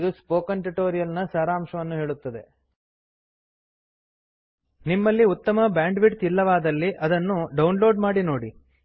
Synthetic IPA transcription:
d̪uspoːkɐnʈuʈoːɾijɐlnɐsɐːɾaːmʃɐʋɐnːuɦe̞ːɭut̪ːɐd̪e̞̰ | nimːɐlːiut̪ːɐmɐbaːɳɖʋiʈ̚t̪ilːɐʋaːd̪ɐlːiʔɐd̪ɐnːuɖɐwunlo̞ːɖmaːɽino̞ːɽi

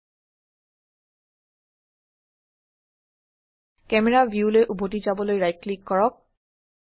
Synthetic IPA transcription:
kɛmɛɹavʱjuleʔubʱotizabɔlojɹaj̚klikːɔɹɔk̚

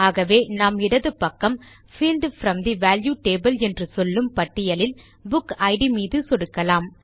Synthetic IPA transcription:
aːɣɐʋeːnaːmɪɽɐðɯpɐkːɐm | fiːlɖfɾɐmd̪iʋaːljuːʈeːbɐlɛndrɯsɔlːɯmpɐʈːɪjɐlɪl | bʊkɐɪɽimiːðɯsɔɽɯkːɐlaːm

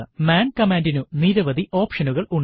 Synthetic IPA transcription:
maːnkɐmaːndinuniɾɐʋɐd̪iʔo̞ːpʂɐnuɣɐɭuɳ

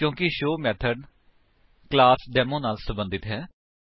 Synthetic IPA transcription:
kjõːkɪʃoːmɛːt̪ʰəɖ | klaːsɖɛːmõːnaːlsəmbə̃nd̪ɪt̪ɦɛː

